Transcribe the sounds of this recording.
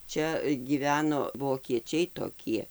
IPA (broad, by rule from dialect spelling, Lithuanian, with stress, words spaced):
ˈt͡ʃʲɛ ɡʲiːˈʋʲæːnoː ʋoːkʲiɛˈt͡ʃʲɛɪ toːˈkʲiɛ